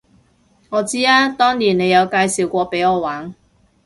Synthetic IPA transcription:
ŋɔː˨˧t͡siː˥aː˥t̪ɔː˥ŋniː˨˩nne˨˧jɐ˨˧wkaː˧jsiː˨˩wkʷɔː˧pe˨˥jɔː˨˧waː˨˥n

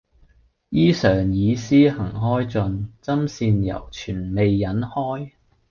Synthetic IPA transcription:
jiː˥sœː˨˩ŋjiː˨˧siː˥hɐ˨˩ŋɦɔː˥jt͡sɵ˨˧nt͡sɐ˥msiː˧njɐ̰˨˩wt͡ʃʰyː˨˩nme˨jːɐ˨˥nhɔː˥j

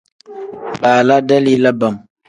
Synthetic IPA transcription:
baː˨la˦da˦liː˦la˦ba˨m

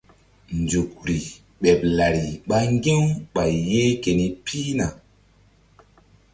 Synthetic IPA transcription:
nd͡ʒu˨k̚ɾi˨ | ɓe˨p̚la˨ɾi˨ɓa˦ŋɡe˦wɓa˨jjːe˦ke˨ni˦pʰi˦na˨

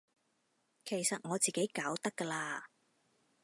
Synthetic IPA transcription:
kʰe˨˩jsɐ˨t̚ŋɔː˨˧t͡siː˨ke˨˥jkaː˨˥wt̪ɐ˥kːɐ˧laː˧

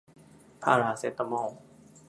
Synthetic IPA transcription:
pʰa̰ː˥˧˨ɾaː˧˩se˦t̪ːa˧˨mɔ˧˥˩

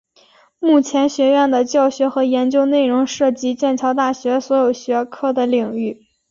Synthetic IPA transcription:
mu˥˩t͡ɕʰjɛ˧˥nɕɥɛ˧˥ɥɛ˥˩nd̪ə˩t͡ɕjɑ˥˩ʊɕɥɛ˧˥xɤ˧˥jɛ˧˥nt͡ɕjo˥ʊne˥˩ɪɻʊ˧˥ŋʂɤ˥˩t͡ɕi˥t͡ɕjɛ˥˩nt͡ɕʰjɑ˧˥ʊt̪a˥˩ɕɥɛ˧˥swɔ˧˥jo˨˩ʊɕɥɛ˧˥kʰɤ˥˩d̪ə˩li˨˩ŋy˥˩

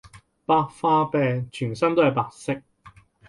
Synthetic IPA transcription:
paː˧k̚faː˧pɛː˧t͡ʃʰyː˨˩nsɐ˥nt̪o˥whɐ˨jpaː˧k̚sɪ˥k̚

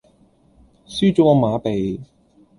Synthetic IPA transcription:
syː˥t͡ʃo˨˥ɔ˨˧maː˨˧pe˨j

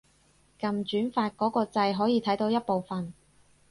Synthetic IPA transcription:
kɐ˨mt͡ʃyː˨˥nfaː˧t̚kɔː˨˥kɔː˧t͡sɐ˧jɦɔː˨˥jiː˧t̪ʰɐ˨˥jt̪o˧wjɐ˥t̚po˨wfɐ˨n

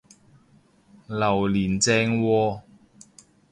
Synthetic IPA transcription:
lɐ˨˩wliː˨˩nt͡sɛː˧ŋwɔː˧

